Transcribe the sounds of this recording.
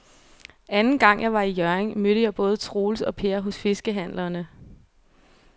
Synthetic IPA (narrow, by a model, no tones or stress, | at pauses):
ænn̩ɡ̥ɑ̈ŋ̰jɑ̈ɪʋɑ̈ijœɐeŋmøɾ̥əjɑ̈ɪb̥ɔ̽ːð̞ˠət͡sʰʁo̝ːlsɒ̽pʰe̝ɐɦɔ̽sfe̝sɡ̥əɦæn̰lɐnə